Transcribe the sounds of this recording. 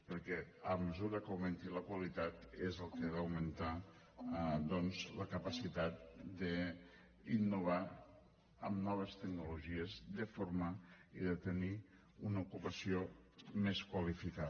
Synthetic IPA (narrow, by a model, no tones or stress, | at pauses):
pəɾkɛəməzuɾəkəwment̪iləkwəlit̪at̪ezəlˠkəðəwmənt̪a | d̪ɔnzləkəpəsit̪at̪̚d̪ə | inːuβ̞a | əmnɔβ̞əst̪əɡ̚nuluʒiəzd̪əfoɾmaiðət̪əni | unəukupəsiomeskwəlifika